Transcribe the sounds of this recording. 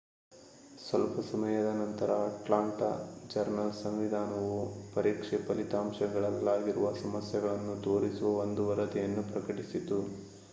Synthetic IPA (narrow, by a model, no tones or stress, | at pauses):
sɐlpɐsɐmɐjɐd̪ɐnɐnt̪ɐɾɐʈlaːɳʈɐd͡ʒɐɾnɐlsɐmʋid̪ʱaːnɐʋupɐɾiːkʂɛpɐlit̪aːmʃɐɡɐɭɐlːaːɡiɾuʋɐsɐmɐsjɐɡɐɭɐnːud̪o̞ːɾisuʋɐond̪uʋɐɾɐt̪ɛjɐnːupɾɐkɐʈisit̪ːu